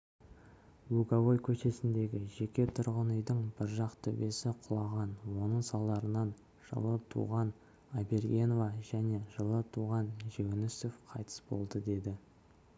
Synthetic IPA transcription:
wuɡavo̞jkʲʰɵʃe̞sɪnd̪e̞ɡʲɪʒe̞kʲe̞t̪ʰʊɾʁənʏjd̪əɴbɪɾʒɑqt̪ʰʏbe̞sɪqʰʊlˠɑʁɑnwo̞nəɴsɑlˠɑɾənɑn | ʒ̥ə̰lˠət̪ʰṵʁɑn | abe̞ɾɡʲe̞novaʒæne̞ʒəlˠət̪ʰuʁɑnʒe̞wnɪso̞fqʰɑjt̪ʰə̥sbo̞̰lˠd̪əd̪e̞d̪ɪ

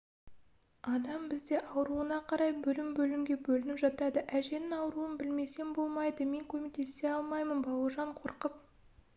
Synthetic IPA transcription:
ɑd̪ɑmbɪzd̪e̞ʔɑwɾuənɑqʰɑɾɑjbɵlɪmbɵlɪmɡʲe̞bɵlɪnɪpʒɑt̪ɑd̪əʔæʒe̞nɪŋɑwɾuənbɪlme̞se̞nbo̞lˠmɑjd̪əme̞ŋkʲʰɵme̞k̚t̪e̞st̪e̞ɑlˠmɑjmənbɑwərʒɑɴqʰoɾqəp̚

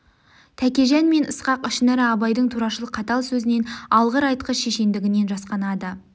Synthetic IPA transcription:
t̪ʰækʲe̞ʒænme̞nəsqɑqʏʃnɪɾɪɑbɑjd̪əɴt̪ʰuɾɑʃəlˠəqʰːɑt̪ɑlˠsɵzɪne̞nɑlˠʁəɾɑjt̪qəʃe̞ʃe̞nd̪ɪɡʲɪne̞nʒɑsqɑnɑd̪ə

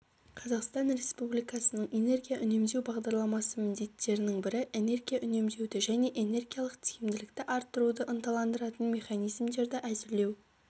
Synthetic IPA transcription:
qʰɑzɑqst̪ɑnɾe̞spublijkɑsənəɴʔe̞ne̞rɡʲijaʔʏne̞md̪e̞wbɑʁd̪ɑɾlˠɑmɑsəmɪnd̪e̞t̪ːe̞ɾɪnɪŋbɪɾɪʔe̞ne̞ɾɡʲijaʔʏne̞md̪e̞wd̪ɪʒæne̞ʔe̞ne̞rɡʲijɑlˠəqt̪ʰijɪmd̪ɪlɪkt̪ɪʔɑɾt̪ːəɾud̪əʔənt̪ɑlˠɑnd̪əɾɑt̪ənmʲe̞χɑnijzmd̪e̞ɾd̪ɪʔæzɪɾle̞w

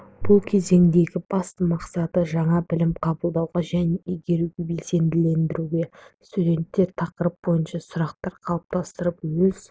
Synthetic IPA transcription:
b̥ʊlˠkʲʰe̞ze̞ŋd̪e̞ɡʲɪbɑst̪əmɑqsɑt̪əʒɑɴɑbɪlɪmqʰɑbəlˠd̪ɑwʁɑʒæne̞ʔiɡʲe̞ɾuɡʲe̞be̞lse̞nd̪ɪle̞nd̪ɪɾuɡʲe̞st̪ud̪e̞nt̪ːe̞ɾt̪ʰɑqəɾəp̚bo̞jənʃɑsʊɾɑqt̪ɑɾqʰɑlˠəp̚t̪ʰɑst̪əɾəpwɵz̥

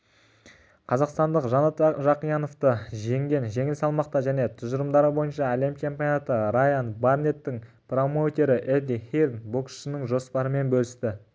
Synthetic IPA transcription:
qʰɑzɑqst̪ɑnd̪əqʒɑnɑt̪ʒɑqijɑno̞ft̪əʒe̞ŋɡʲe̞nʒe̞ŋɪlsɑlˠmɑq̚t̪ɑʒæne̞t̪ʰʊzəɾəmd̪ɑɾəbo̞jənʃɑæle̞mt͡ʃʰe̞mpʲijonat̪əɾajanbarnʲe̞t̪ːɪŋ | pro̞mot̪e̞ɾɪʔed̪iχird̪boksʃɪnɪŋʒo̞spɑɾəme̞nbɵlɪst̪ɪ

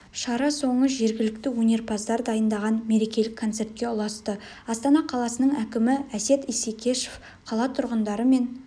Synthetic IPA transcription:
ʃɑɾɑso̞ɴəʒe̞ɾɡʲɪlɪk̚t̪ɪwɵnʲe̞ɾpʰɑzd̪ɑɾd̪ɑjənd̪ɑʁɑnme̞ɾe̞kʲe̞lɪkʰːo̞nt̪se̞ɾt̪̚kʲe̞ʊlˠɑst̪ə | ɑst̪ɑnɑqʰɑlˠɑsənəɴækʲɪmɪæse̞t̪ijsekʲʰe̞ʃef | qʰɑlˠɑt̪ʰʊɾʁənd̪ɑɾəme̞n

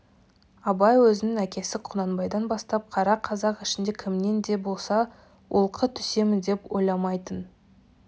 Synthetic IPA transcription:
ɑbɑjwɵzɪnɪŋækʲe̞sɪqʰʊnɑnbɑjd̪ɑnbɑst̪ɑp̚qʰɑɾɑqʰɑzɑqɪʃɪnd̪e̞kʲʰɪmne̞nd̪e̞bo̞lˠsɑ | wʔolˠqʰət̪ʰʏ̥se̞mɪnd̪e̞pwo̞jlˠɑmɑjt̪ən

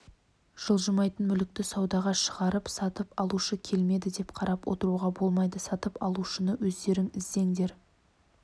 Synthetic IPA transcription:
ʒ̥əlˠʒəmɑjt̪ənmʏlɪk̚t̪ɪsɑwd̪ɑʁɑʃəʁɑɾəpsɑt̪əpɑlˠuʃəkʲʰe̞lme̞d̪ɪd̪e̞pqʰɑɾɑpwʔo̰t̪əɾuʁɑbo̞lˠmɑjd̪əsɑt̪əpɑlˠuʃənəwɵzd̪e̞ɾɪŋɪzd̪e̞ŋd̪e̞ɾ

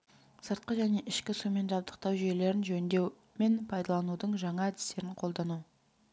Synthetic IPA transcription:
səɾt̪̚qəʒæne̞ʔɪʃkʲɪsume̞nʒɑb̚d̪əq̚t̪ɑwʒije̞le̞ɾɪnʒɵnd̪e̞w | me̞npʰɑjd̪ɑlˠɑnud̪əɴʒɑɴɑæd̪ɪ̥st̪e̞ɾɪɴqʰo̞lˠd̪ɑnu

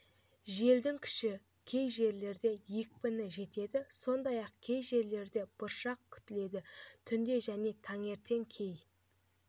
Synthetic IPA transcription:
ʒe̞ld̪ɪŋkʲʰʏ̥ʃɪ | kʲʰe̞jʒe̞ɾle̞ɾd̪e̞je̞k̚ʲpɪnɪʒe̞t̪e̞d̪ɪso̞nd̪ɑjɑqkʲʰe̞jʒe̞ɾle̞ɾd̪e̞b̥ʊɾʃɑq̚kʲʰʏ̥t̪ɪle̞d̪ɪt̪ʰʏnd̪e̞ʒæne̞t̪ʰɑŋe̞ɾt̪e̞ŋkʲʰe̞j

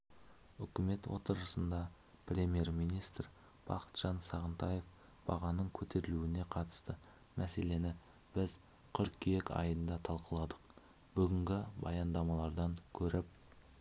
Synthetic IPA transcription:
ʏkʲɪme̞t̪wo̞̰t̪əɾəsənd̪ɑ | prʲemʲje̞ɾmijnijst̪r | b̥ɑqə̥t̪ʒ̥ɑnsɑʁənt̪ɑje̞f | b̥ɑ̰ʁɑnəɴkʲʰɵt̪ʰe̞ɾɪluɪne̞qʰɑt̪ə̥st̪ə | mʔæse̞le̞nɪ | b̥ɪz | kʲʰʏɾkkʲʰeekʲɑ̰jənd̪ɑt̪ʰɑlˠqəlˠɑd̪əq | b̥ʏɡʲɪŋɡʲɪbɑjɑnd̪ɑmɑlˠɑɾd̪ɑŋkʲʰɵɾɪp̚

